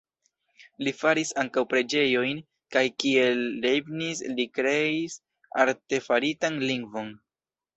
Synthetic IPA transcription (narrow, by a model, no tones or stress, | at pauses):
lifaɾisaŋkawpɾe̞d͡ʒe̞jo̞jn | kajkie̞lːebnislikɾe̞is | a̰ɾte̞faɾitanliŋɡvo̞n